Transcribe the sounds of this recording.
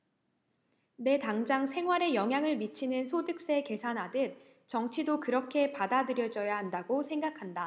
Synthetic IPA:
ne̞taŋd͡ʑaŋsʰe̞ŋɦwaɾe̞jʌŋɦjaŋɯɭmit͡ɕʰinɯnsʰodɯk̚s͈eke̞sʰanɦadɯt̚ | t͡ɕʌŋt͡ɕʰidokɯɾʌkʰe̞padadɯɾjʌd͡ʑʌjaɦandaɡosʰe̞ŋɡakʰanda

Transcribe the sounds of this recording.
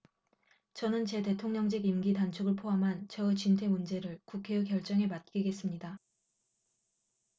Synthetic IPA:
t͡ɕʌnɯnt͡ɕe̞te̞tʰoŋɲʌŋd͡ʑeɡimɡitant͡ɕʰoɡɯɭpʰoɦamɦant͡ɕʌɯt͡ɕintʰe̞mund͡ʑe̞ɾɯɭkukʰe̞ɯkjʌɭt͡ɕ͈ʌŋe̞mat̚k͈iɡe̞s͈ɯmɲida

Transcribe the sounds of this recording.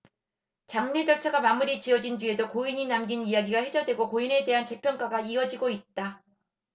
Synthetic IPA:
t͡ɕaŋɲed͡ʑʌɭt͡ɕʰaɡamamuɾit͡ɕiʌd͡ʑind͡ʑue̞dokoiɲinamɡinijaɡiɡahe̞d͡ʑʌdwe̞ɡokoine̞de̞ɦant͡ɕe̞pʰjʌnk͈aɡaiʌd͡ʑiɡoit̚t͈a

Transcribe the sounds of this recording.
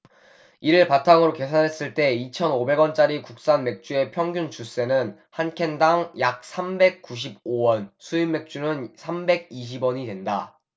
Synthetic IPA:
iɾɯɭpatʰaŋɯɾoke̞sʰanɦe̞s͈ɯɭt͈e̞it͡ɕʰʌnobe̞ɡwʌnt͡ɕ͈aɾikuk̚s͈anme̞k̚t͡ɕ͈ue̞pʰjʌŋɡʲunt͡ɕus͈e̞nɯn | hankʰe̞ndaŋjak̚sʰambe̞k̚k͈uɕ̬ʰib̚owʌnsʰuimːe̞k̚t͡ɕ͈unɯnsʰambe̞ɡ̚iɕ̬ʰibwʌɲidwenda

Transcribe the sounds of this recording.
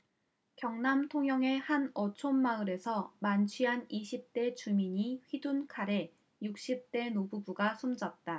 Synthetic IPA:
kjʌŋnamtʰoŋjʌŋe̞hanʌt͡ɕʰonːaɯɾe̞sʰʌmant͡ɕʰɥiɦaniɕʰip̚t͈e̞t͡ɕumiɲiɸɥidunkʰaɾe̞ | juk̚ɕ͈ip̚t͈e̞nobubuɡasʰumd͡ʑʌt̚t͈a

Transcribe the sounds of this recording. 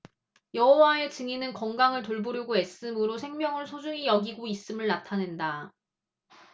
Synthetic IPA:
jʌɦʌwaet͡ɕɯŋinɯnkʌŋɡaŋɯɭtoɭboɾjiɡoes͈ɯmɯɾosʰe̞ŋmjʌŋɯɭsʰod͡ʑuŋijʌɡiɡois͈ɯmɯɭnatʰanɯnda

